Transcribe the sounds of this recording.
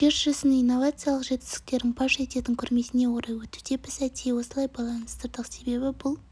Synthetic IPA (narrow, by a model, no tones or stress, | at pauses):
kʰʲeɾʒ̥ɪsɪnijnːo̞vat̪sɨjalˠəqʒe̞t̪kɪzɪ̥k̚t̪e̞ɾd̪ɪŋbɑʃet̪e̞t̪ɪŋkʲʰʏɾme̞sɪne̞wo̞ɾɑjwɵt̪ud̪e̞bɪsæt̪ijewo̞səlˠɑjbɑlˠɑnəst̪əɾd̪əqse̞be̞bɪbʊlˠ